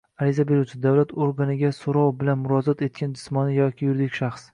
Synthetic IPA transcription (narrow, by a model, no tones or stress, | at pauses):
aɾɪzabe̞ɾut͡ʃʰɪd̪awlat̪ʰoɾɡanɪɡʲasoɾɒwbɪlanmʊɾɒzɒt̪e̞t̪̚kʲand͡ʒɪsmɒnɪjɒkʲʰɪjʊɾd̪ɪkʲʃaχs